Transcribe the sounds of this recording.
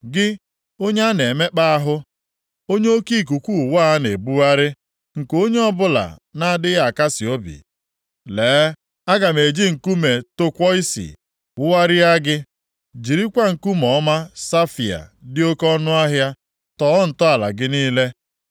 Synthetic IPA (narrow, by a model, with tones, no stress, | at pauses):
ɡɪ˦ | o˦ɲe˦a˦ne˨me˦k͡pa˦a˦ɦʊ˦ | o˦ɲe˦o˦ki˦˨k̬u˨kʷu˦˨waː˦a˦ne˨bu˦a˦ɾɪ˦ | ŋ̩˨ko˦ɲe˦ɔ˦bʊ˦la̰˨na˦a˦˨dɪ˦ɣa˨ka˦sɪ˨o˦bḭ˨ | leː˨˦ | a˦ɡa˨me˨d͡ʒi˦ŋ̩˨ku˦me˨to˦kʷɔ˦i˦sḭ˨ | ʊ˦wa˦ɾɪ˦a˦ɡɪ˦ | d͡ʒi˨ɾi˦kʷa˦ŋ̩˨ku˦mɔ˨˦ma˦sa˦fi˨a̰˨dɪ˦o˦kɔ˦nʊ˦a˦ɦja˦ | tɔ˦ɔ˦n̩˨tɔ˦a˨la̰˨ɡɪ˦niː˦le˦